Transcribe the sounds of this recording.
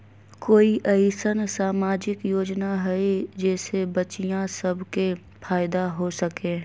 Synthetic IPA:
koːiʔɐɪsənsaːmaːd͡ʒɪkjoːd͡ʒnaɦɛed͡ʒɛːsebət͡ʃijãsəbke | fʰaːjd̪aɦosɐkẽː

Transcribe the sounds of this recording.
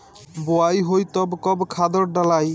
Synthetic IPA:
boajɦojt̪ɔbkɔbkʰad̪ɔɾɖalaj

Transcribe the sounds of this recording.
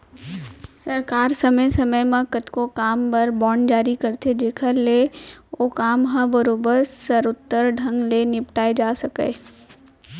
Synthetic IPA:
sɐɾkaːɾsɐməjsɐməjmãkət̪ʰkokaːmbɐɾbɔːɳd͡ʒaːɾikɐɾt̪ʰed͡ʒeːkʰəleoːkaːmɦãbɐɾoːbəɾssəɾʊt̪ːəɾɖʱɐ̃ŋɡlenɪpʈaːed͡ʒaːsɐkəe

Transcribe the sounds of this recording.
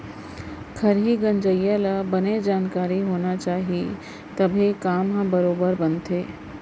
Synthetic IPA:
ɡʰɐɾɦiɡɐ̃nd͡ʒəjalabɐned͡ʒaːnkaːɾiɦoːnat͡ʃaːɦie | t̪ɐbʱikaːmɦɐ̃bɐɾoːbəɾbɐ̃nt̪ʰeː

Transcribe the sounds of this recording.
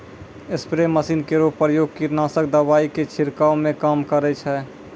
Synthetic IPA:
ɪspɾeməsiːnkeɾoːpɾjoːɡ̚kiɾnaːsək̚d̪əʋaːiket͡ʃʰɪɾkaːomẽkaːmkəɾɛt͡ʃʰɛː

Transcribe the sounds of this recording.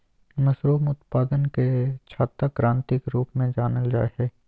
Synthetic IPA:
mɐsɾoːmʊt̪paːd̪ənket͡ʃʰaːt̪akɾãːnt̪ɪkɾuːpmẽd͡ʒaːnəld͡ʒa̰ːeɦɛː

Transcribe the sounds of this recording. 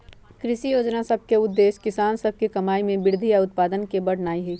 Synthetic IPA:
kɾɪʃijoːd͡ʒnasɐb̚ʱkeʊd̪ːeːʃkɪsaːnsɐb̚ʱkikɐmaːimẽbɪɾd̪ʱijaʊt̪̚paːd̪ənkebɐɽ̤naːiɦɛː

